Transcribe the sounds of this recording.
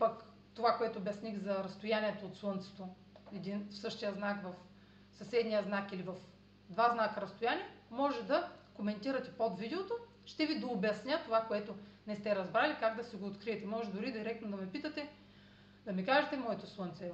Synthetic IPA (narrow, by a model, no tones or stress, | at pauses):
pɐk | t̪ovakoɛt̪oːbjɐsnixzɐɾɐst̪ojanʲiɛt̪oːt̪slˠɤnt̪sɛ̥t̪o | ɛd̪infsɤʃt̪ijəznakvɐf | sɐsɛd̪nijəznakilivɐf | d̪vaznakɐɾɐst̪ojaniɛmɔʒɛd̪ɐkomɛnt̪iɾɐt̪ɛ̥pod̪vid̪ɛot̪o | ʃt̪ɛvid̪oːbɐsnʲat̪ovakoɛt̪onɛst̪ɛɾɐzbɾalikaɡd̪ɐsiɡoːt̪kɾiɛt̪ɛmɔʒɛd̪ʊɾid̪iɾɛk̚t̪nod̪ɐmɛpit̪ət̪ɛ | d̪ɐmikaʒɛt̪ɛmɔɛt̪oslˠɤnt̪sɛ